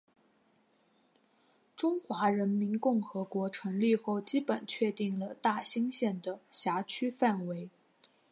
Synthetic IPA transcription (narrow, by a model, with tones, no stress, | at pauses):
ʈ͡ʂʊ˥ŋxwa˧˥ɻə˧˥nmi˧˥nkʊ˥˩ŋxɤ˧˥kwɔ˧˥ʈ͡ʂʰɤ˧˥ŋli˥˧xo˥˩ʊt͡ɕi˥pə˨˩nt͡ɕʰɥɛ˥˧t̪i˥˩ŋlə˩t̪a˥˩ɕi˥ŋɕjɛ˥˩nd̪ə˩ɕja˧˥t͡ɕʰy˥fa˥˩nwe˧˥ɪ